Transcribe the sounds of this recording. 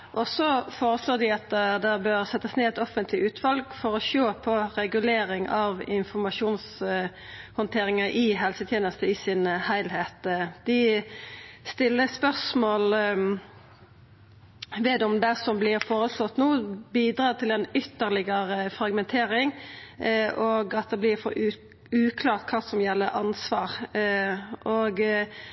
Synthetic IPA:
ʔɔsɔfoːɾəsloːd̪ɪɑt̪d̪ɛbøːʁsɛt̪ːəsneːɛt̪ɔfənt̪ʰlɪʉːt̪ʰʋɑlɡfɔɾɔʃoːpʰɔɾɛɡʉleːɾɪŋɑʋɪnfɔʁmɑʂuːns | hɔnt̪ʰeːɾɪŋəʔɪɦɛlsət̪ʰjeːnəst̪əɪsɪnhæɪlɦeːt̪d̪ɪ | st̪ɪlːəspœʁsmoːl | ʋɛd̪ɔmd̪ɛsɔmblɪɾfoːʁəslɔt̪ːnoːbiːd̪ɾɑːt̪ʰɪlɛnʏt̪ːəʁlɪɡəɾəfɾɑɡmɛnt̪ʰeːɾɪŋ | ʔoːɡɑt̪̚d̪ɛblɪʁfɔ̰ɾʉ | ʉːkʰlɑːʁt̪̚kʰɑːsɔmjɛlːəɾʔɑnsʋɑːʁ | ʔoːɡ

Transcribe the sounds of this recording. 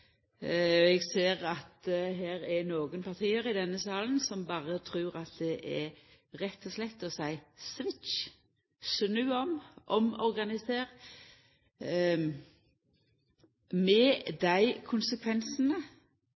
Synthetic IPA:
ɛɡseːʁɑt̪ɦæːɾænoːɡənpʰɑʁt̪ʰiːəɾɪd̪ɛnːəsɑːlnsɔmbɑːʁət̪ʰɾʉːɾɑt̪̚d̪ɛʔæ | ɾɛt̪ːɔslɛt̪ːɔsæɪsʋɪt͡ʃ | snʉːɔmʔɔmɔɾɡɑnɪseːʁ | mɛd̪æɪkʰʊnsəkʰʋɛnsənə

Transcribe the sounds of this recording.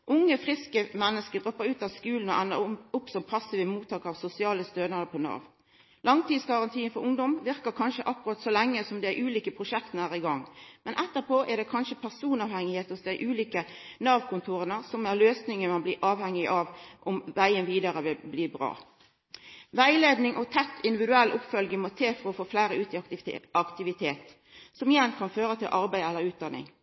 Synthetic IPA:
ʔʊŋːəfʁɪskəmɛnːəskəd̪ʁɔpːəʁʉːt̪ɑʋskʉːln̩ɔʔænːəɾʊpsɔmpʰɑsːiːʋəmuːt̪ʰːɑːkəʁɑʋsʊsɪɑːləst̪øːnəd̪əpʰɔnɑ̰ːʋn | lɑŋt̪iːd̪sɡɑʁɑnt̪ʰiːɪnfɔɾʊŋd̪ɔmʋɪʁkəkʰɑnʃəʔɑkːʊɾɑːt̪sɔlæŋːəsɔmd̪ɛæɾʔʉːliːkəpʰʁʊʃɛkt̪ənəæːʁɪɡɑŋmɛnʔɛt̪ːəpʰoːʔɛd̪ɛkʰɑnʃəpʰæʁsuːnɑːʋhɛŋɪheːt̪əsd̪ɛʔʉːliːkənɑːʋkʰʊnt̪ʰuːɾənəsɔmæɾløːsnɪŋəmɑnbliːʔɑːʋhɛŋːɪʔɑːʋʔɔmʋæɪənʋiːd̪əɾəʋɪlbliːbɾɑ̰ː | ʋæɪleːd̪nɪŋʔɔt̪ʰɛt̪ʰːɪnd̪ɪʋɪd̪ʉɛlːʔʊpfœlɡəmot̪ʰeːfɔɾɔfoːflæɪɾəʉːt̪ɪɑkt̪ɪʋɪt̪ʰeːt̪ | sɔmɪjɛnkʰɑnføːʁət̪ʰɪlʔɑɾbæɪɛlːəɾʉːt̪̚d̪ɑnɪ̰ŋ

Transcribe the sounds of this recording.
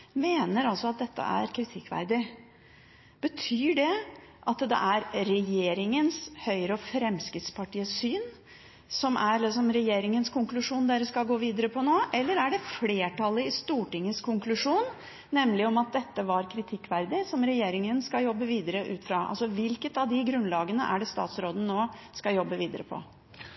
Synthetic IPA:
meːnəɾɑlsɔɑt̪̚d̪ɛt̪ʰːə̰æ̰ɾkʰɾɪt̪ʰɪkːʋæ̰ɾd̪ɪ | b̥ət̪ʰyːɖɛʔɑt̪d̪ɛ̰ʔæɾɾɛjeːɾɪŋənshœʏɾəɔfɾɛmskɾɪt̪spʰɑʈiːəsyːn | sɔmʔæɾlɪsɔmɾɛjeːɾɪŋənskʰʊŋklʉʂuːnd̪eːɾəskɑlɡoːʋiːd̪əɾəpʰɔnoːʔɛlːəɾæɖɛfleːʈɑlːəɪst̪uːʈɪŋːəskʰʊŋklʉʂuːnː | ɛmlɪɔmɑt̪̚d̪ɛt̪ːəʋɑɾkʰɾɪt̪ʰɪkːʋæɾd̪ɪsɔmɾɛjeːɾɪŋənskɑjɔbːəʋiːd̪əɾəʔʉ̰ːt̪fɾɑːʔɑ̰lsɔʋɪlkət̪ɑʋd̪ɪɡɾʉnlɑːɡənə̰ʔæ̰ɖɛst̪ɑ̰ːt̪sɾoːd̪ənənoːskɑjɔbːəʋiːd̪əɾəpʰɔ̰

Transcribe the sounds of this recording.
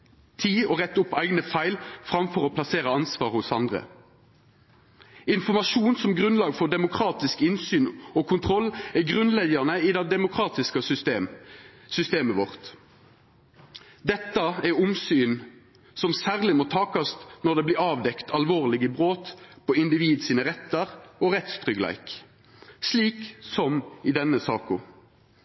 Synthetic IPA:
t̪ʰiːɔːʁɛt̪ːʊpːæɪɡnəfæɪlfʁɑmfɔʁoːpʰlɑseːʁəɑnsʋɑːʁhʊsɑnd̪ʁə̰ | ɪnfɔʁmɑʃuːnsɔmɡʁʉnlɑːɡfɔʁd̪ɛmʊkʰʁɑːt̪ɪskɪnsyːnoːkʰʊnt̪ʰʁɔlːɛɡʁʉnlɛɡənəiːd̪ɛd̪ɛmʊkʰʁɑːt̪ɪskə | sʏst̪eːməʋɔʁt̪ | d̪ɛt̪ːɑɛʁʊmsyːn | sɔmsæːʁlɪmɔt̪ʰɑːkɑst̪nɔʁd̪ɛbliːɑːʋd̪ɛkt̪ʰɑlʋoːʁlɪɡəbʁoːt̪pɔɪnd̪ɪʋiːd̪siːnəʁɛt̪ːəʁɔʁɛt̪st̪ʁʏɡlæ̰ɪk | sliːksɔmɪd̪ɛnːəsɑːkʊ

